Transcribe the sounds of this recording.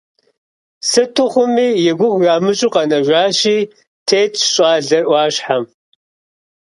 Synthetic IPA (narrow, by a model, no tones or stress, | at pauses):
sɨtʰʊχʷʊmiːjɛɡʷʊxʷjaːmɨɕʼʊqɐnɐʒʷaːɕiː | tʰeːt͡ʃʰʼɕʼɑːɮɐrʔʷɑːɕħam